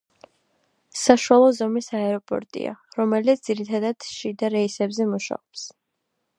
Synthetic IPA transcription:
saʃuwalˠɔzɔmisaɛɾɔpʼɔ̰ɾt̪ʼḭa̰ɾɔmɛlit̪sd̪z̥iɾit̪ʰad̪ad̪̥ʃid̪aɾɛisɛbzɛmuʃa̰ɔps

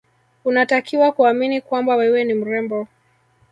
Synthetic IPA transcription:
unatakiwakuaminikwambawɛwɛnim̩ɾɛmbɔ

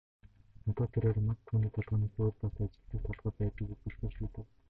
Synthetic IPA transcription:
nɔt̪ɔːt̪ʰeɾeːrmăt̪ʰuːniːt̪ʰɔɮʁɔːniːxoːrpasɔat͡ɕɪ̆t̪ɘ̆ːk̚t̪ʰɔɮʁɔːpæːt̪ə̆kupɵ̆ɮpɔʃuːt̪ɘ̆w

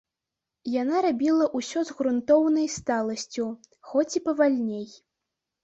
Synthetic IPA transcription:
janaɾabʲilˠɐʔusʲɔzɣɾunt̪ɔwnɐjst̪alˠɐsʲt͡sʲuxɔt͡sʲipɐvalʲnʲej

